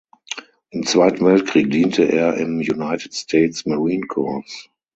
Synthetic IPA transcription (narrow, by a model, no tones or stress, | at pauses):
ʔɪmt͡sv̥aɪtn̩vɛlt̚kʁ̥iːk̚d̥iːntʰəʔeːɐʔɪmjunaɪtɪtstʰɛɪtsmaʁiːnkʰɔɐfs